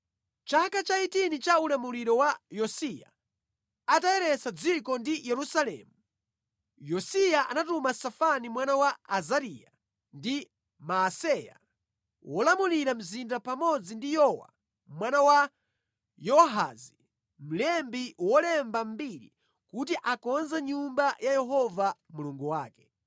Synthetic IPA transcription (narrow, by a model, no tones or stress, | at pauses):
t͡ʃakat͡ʃaitinit͡ʃaulamuliɾɔwajɔsija̰ | ataɛɾɛsad͡zikɔndijɛɾusalɛ̰mu | jɔsijaʔa̰natumasafanimwanawaazaɾija̰ | ndi | masɛja̰ | wɔlamuliɾam̩zindapamɔd͡zindijɔwa̰ | mwanawa | jɔɦa̰zi | m̩lɛmbiwɔlɛmbam̩biɾi | kutiʔakɔnzaɲumbajajɛɦɔvamuluŋɡuwaːkɛ